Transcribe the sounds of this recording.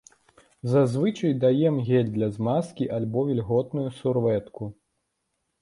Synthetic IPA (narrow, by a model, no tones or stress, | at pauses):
zazvɨt͡ʂɐjd̪ajɛmɣʲɛlʲd̪lʲɐzmaskʲiʔalʲbɔvʲilʲɣɔt̪nujusurvɛt̪ku